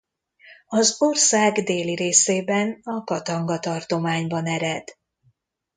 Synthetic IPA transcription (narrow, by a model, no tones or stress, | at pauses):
ɒzorsaːɡd̪eːliɾeːseːbɛnɒkɒt̪ɒŋɡɒt̪ɒrt̪o̞maːɲbɒnɛɾɛd̪̥